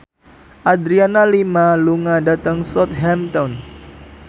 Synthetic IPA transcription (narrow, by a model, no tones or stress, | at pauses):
ʔad̪ɾianalimaluŋadat̪aŋsɔt̪̚ɦɛmt̪ɔn